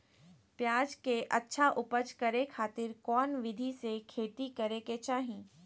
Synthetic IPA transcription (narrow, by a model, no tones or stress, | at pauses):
pjaːd͡ʒkeʔɐtːʃʰaʔʊpət͡ʃkɐɾekʰaːt̪ɪɾkɔːnʋɪd̪ʱisekʰeːʈ̪ikɐɾeket͡ʃaːɦĩː